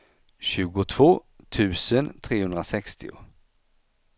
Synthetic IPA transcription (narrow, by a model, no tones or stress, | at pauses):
ɕʉ̟ːɡʊt̪ʰv̥oː | t̪ʰʉ̟ːsənt̪ʰɾeːhɵnd̪ɾasɛkst̪ɪ̰ʊ̰